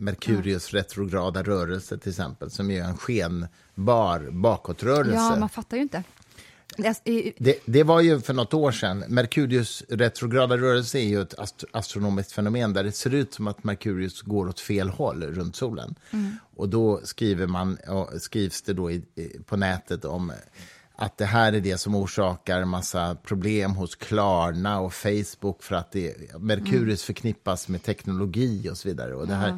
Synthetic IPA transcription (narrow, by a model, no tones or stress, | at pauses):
mæɾkʰʉ̟ːɾɪɵsɾɛt̪ɾʊɡɾɑːd̪aɾœːɾɛlsət̪ʰɪlɪksɛ̰mpəlsɔmjɛnɧeːn | bɑːɾbɑːkɔt̪ɾœːɾɛlːsəmanfat̪ːajʏɪnt̪ə | d̪ɛd̪ɛvaɾjɵfœɳɔt̪ːoːʂɛnmæɾkʰʉ̟ːɾɪɵsɾɛt̪ɾʊɡɾɑːd̪aɾœːɾɛlsəæɾjɵɛt̪ʰa̰ast̪ɾʊnoːmɪskt̪fɛnʊmeːnd̪æɖɛseːɾʉ̟ːt̪sɔmat̪maɾkʰʉ̟ːɾɪɵsɡoːɾɔt̪feːlhɔlːɾɵnt̪suːlə̰nʔɔd̪ɔskɾiːvəɾmanɔ̰skɾiːvsd̪ɛd̪ɔɪpʰɔnɛːt̪ʰət̪ʰɔ̰m | ʔa̰t̪̚d̪ɛɦæːɾæɖɛsɔmuːʂɑːkaɾmasːapʰɾʊbleːmɦʊskʰlɑːɳaɔfɛjsbʊkːfœɾat̪̚d̪ɛmæɾkʰʉ̟ːɾɪɵsfœɾkʰnɪpːasmeːt̪ʰɛknʊlʊɡiːɔsɔviːd̪a̰ɾə̰ɔ̰d̪ɛɦæːɾ